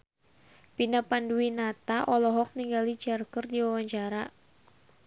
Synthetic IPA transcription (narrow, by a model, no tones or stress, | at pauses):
pinapanduinat̪aʔɔlɔɦɔk̚niŋɡalid͡ʒɛrkərdiwawaɲt͡ʃaɾa